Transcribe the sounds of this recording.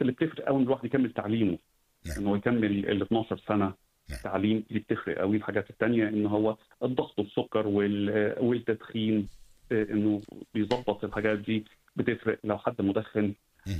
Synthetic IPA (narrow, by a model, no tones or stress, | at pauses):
elːib̚t̪efɾeʔæwenːelwaħd̪jkæmːelt̪aʕliːmo | ʔḛnːowːjekæmːelḛlːet̪nɑːʃɑɾˤsænæ | t̪aʕliːmlib̚t̪efɾḛʔæ̰wilħaɡæːt̪et̪ːænjæʔenːɦowːæ | ʔed̪ˤːɑɣt̪ˤwesːokːɑɾˤwewelt̪ːæd̪xiːnʔenːobejzˤɑbːɑt̪ˤelħaɡæːt̪̚d̪iː | bet̪efɾeʔlæwħad̪ːmod̪æxːen